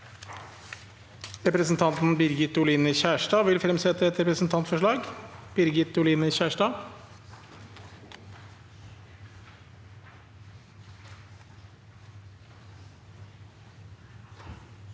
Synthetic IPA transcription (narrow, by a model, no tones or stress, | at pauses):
ɾɛpɾəsn̩t̪ʰɑnt̪n̩bɪɾɡɪt̪ʊliːnəçæːʂʈɑːʋɪlfɾɛmsɛɛt̪əɛt̪ɾɛpɾəsn̩t̪ʰɑnt̪fɔʂɭɑːɡb̥ɪɾɡɪt̪ʊliːnəçæːʂʈɑː